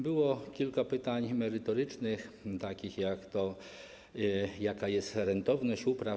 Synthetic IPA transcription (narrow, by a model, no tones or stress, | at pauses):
bɪwɔkʲilʲkapɪt̪aɲʲmɛɾɪt̪ɔɾɪt͡ʂnɪxt̪akʲixjakt̪ɔ | jakajɛstɾɛnt̪ɔwnɔɕupɾa